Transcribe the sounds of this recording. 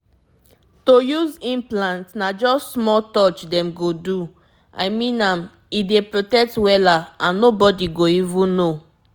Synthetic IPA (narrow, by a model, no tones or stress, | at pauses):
tojuzĩmplãntnad͡ʒɔssmɔltɔt͡ʃdɛ̃mɡodu | a̰ɪmĩnãm | idepɹotɛk̚twɛlaãnːobɔdiɡoivũnːo